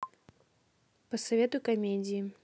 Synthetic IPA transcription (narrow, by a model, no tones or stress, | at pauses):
pɐsɐvʲɛt̪ʊkɐmʲed͡zʲiji